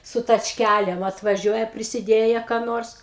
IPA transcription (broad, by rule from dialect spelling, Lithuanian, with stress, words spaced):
sʊ tɐt͡ʃʲˈkʲælʲeːm ɐtʋɐˈʒʲuɔjɛ pʲrʲɪsʲɪˈdʲeːjɛ kɑː ˈnoːrs